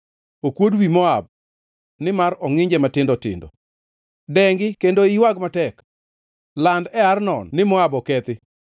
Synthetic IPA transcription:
okwodwimɔab̚ | nɪmaɾɔŋɪɲd͡ʒɛmatɪndɔtɪ̰ndɔ̰ | dɛŋɡɪkendoɪwaɡmatɛk | landɛarnɔ̰nnɪmɔabɔkɛt̪ɪ

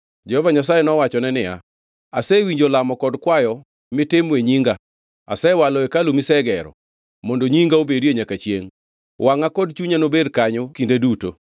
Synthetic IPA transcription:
d͡ʒɛhɔvaɲas̬ajenɔwat͡ʃɔnɛnɪja̰ | asɛwiɲd͡ʒolamɔkɔdkwajɔ | mɪtɪmweɲiŋɡa | a̰sɛwaloekalumisɛɡɛɾɔ̰ | mondoɲiŋɡaobedieɲakat͡ʃjeŋ | wʔaŋakɔdt͡ʃuɲanobedkaɲokindeduto̰

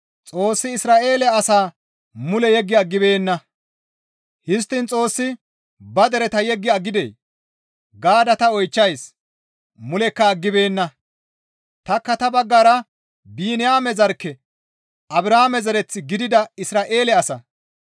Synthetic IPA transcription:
t͡sʼo̞ːsːɪːsɾaːʔe̞ːlɛɐsaː | mʊlɛjɛɡːɪɐɡːɪbe̞ːnːɐ | hɪs̬t̪ːɪnt͡sʼo̞ːsːɪ | bɐd̪ɛɾɛt̪ɐjɛɡːɪɐɡɪd̪ḛː | ɡaːd̪ɐt̪ɐɔjt͡ʃːɐjs | mʊlɛkːɐːɡːɪbe̞ːnːɐ | t̪ɐkːɐt̪ɐbɐɡːaːɾɐ | biːnɪjaːmɛzɐɾkːɛ | ʔɐbɾaːmɛzɐɾɛt͡sːɪɡɪd̪ɪd̪ɐɪsɾaːʔe̞ːlɛɐsɐ

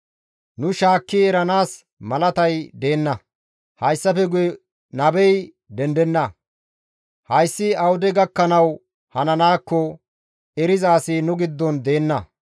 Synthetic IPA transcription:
nʊʃaːkːɪɛɾɐnaːs | mɐlɐt̪ɐjd̪e̞ːnːɐ | hɐjsːɐfɛɡʊjɛ | nɐbɛj | d̪ɛnd̪ɛnːɐ | hɐjsːɪɐwʊd̪ɛɡɐkːɐnɐw | hɐnɐnaːkːɔ | ɛɾɪzaːsinʊɡɪd̪ːɔnd̪e̞ːnːɐ

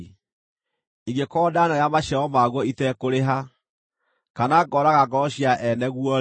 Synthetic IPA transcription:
iɡekɔːdanaɾjamaʃɛɔmaɣwɔitɛkoɾeɦa | kanaɡɔɾaɣaɡɔɔɕiaʔɛnɛɣwɔ

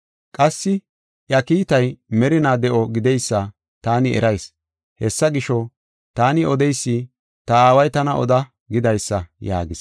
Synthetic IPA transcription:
kʼɐsːɪ | ʔjɐkiːt̪ɐjmɛɾɪnaːd̪ɛʔɔɡɪd̪ɛjsːɐ | t̪aːnɪɛ̰ɾɐjs | hɛsːɐɡɪʃɔ | t̪aːnɪɔd̪ɛjsːi | t̪ɐaːwɐjt̪ɐnɐʔɔd̪ɐ | ɡɪd̪ɐjsːɐja̰ːɡɪs

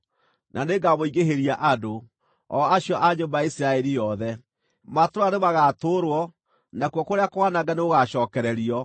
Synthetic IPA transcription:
nʔaneɡamoiɣeɦeɾiaʔado | ɔaɕjɔʔaɲombaisiɾaɛɾijɔðɛ | matoɾoanemaɣatoɾwɔ | nakwɔkoɾeakowanaɡaneoɣaʃɔːkɛɾɛɾiɔ

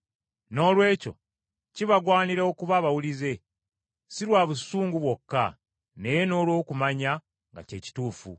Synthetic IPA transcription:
no̞ːlwe̞ːco̞̰ | ciβaɡwaːniɾeo̞kuβaβawulize̞ | siɾwaːβusuːŋɡuβwo̞kːa | ne̞jeno̞ːlwo̞ːkumaɲa | ŋɡa̰ce̞ːci̥tuːfṵ

